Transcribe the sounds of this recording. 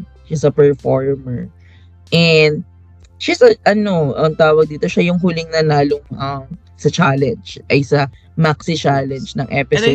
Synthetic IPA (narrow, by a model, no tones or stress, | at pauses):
ʃisɐpɛɹfoɹmɛɹ | ʔɛnd̪̚ | ʃisɐʔɐno̞ʔɐŋt̪aːwɐɡ̚d̪iːt̪oʃajʊŋɦulɪŋnɐnaːloŋʔɐm | sɐt͡ʃalɛnd͡ʒʔɐjsɐ | maksɪt͡ʃalɛnd͡ʒnɐŋʔɛpɪso